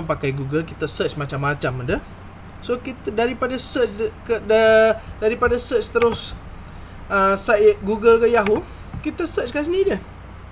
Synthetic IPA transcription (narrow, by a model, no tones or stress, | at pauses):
mpakajɡuɡəlkit̪əsət͡ʃmat͡ʃamːat͡ʃamədə | sokit̪daɾipadasət͡ʃkədadaɾipadasət͡ʃt̪əɾʊs | əsaʔɪt̪̚ɡuɡəlkəjaɦu | kit̪əsət͡ʃkas̬ənidəh